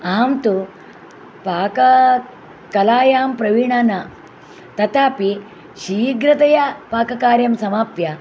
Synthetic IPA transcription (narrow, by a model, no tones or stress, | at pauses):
aːmt̪u | paːkɐ | kɐlaːjaːmpɾɐʋiɳaːnɐ | t̪ɐt̪aːpi | ʃiɡɾɐt̪ɐjɐpaːkɐkaːɾjɐmsɐmaːpjɐ